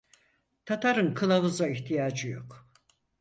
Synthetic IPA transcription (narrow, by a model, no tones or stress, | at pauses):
t̪ʰat̪ʰaɾɯnkʰɯlˠavɯzaiçt̪ʰijaːd͡ʒɯjo̰k